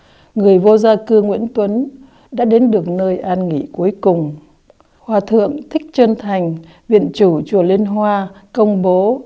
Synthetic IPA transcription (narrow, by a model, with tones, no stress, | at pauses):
ŋɨ˨˩əjvo˧zaː˧kɨ˧ŋwḭ˧˥ənt̪wə˨˦n | ɗa̰ː˧˥ɗe˨˦nɗɨ˨˩ək̚nəː˧jʔaː˧nŋḭ˧˨ku˨˦əjkʊ˨˩ŋ͡m | hwaː˨˩t̪ʰɨ̰˧˨əŋt̪ʰï˦˥k̚t͡ɕə˧nt̪ʰa˨˩jŋ̟ | vḭ˧˨ənt͡ɕu˧˩t͡ɕu˧˩li˧nɦwaː˧kə˧wŋ͡mɓo˨˦